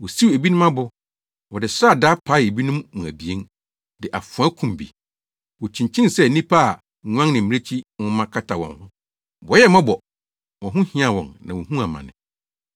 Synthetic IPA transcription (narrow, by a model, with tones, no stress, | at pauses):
wɔ˨si˦we˨bi˦nʊ̃˦mã˦bʊ˨ | wɔ˨dɪ˨sɾa˦˨da˦pʰa˨˦˨e˨bi˦nʊ̃˦mmʊ̃˨æ˨bi˨e˦n | dɪ˨ʔa˨fʊ˨a˦kʰũ˨m˨bḭ˨ | wɔ˨t͡ɕʰĩ˨ɲ˨t͡ɕʰɪ̃˦nsɛ˦˨nĩ˦pʰa˦a˨ | ɲ˦ã˦ŋnɪ̃˨m̩˨mĩ˦e˦t͡ɕʰi˦wʊ̃˦mã˦kʰa˦tʰa˨wɔ̰̃˨nhʊ̃˦ | bɔ˨˦ɛ˦mã˦bɔ˨ | wɔ̃˨ɦʊ̃˦hɪ̃˦ã˨wɔ̰̃˨nnã̰˨wɔ˨ɦũ˦a˨mã̰˨nɪ̰̃˨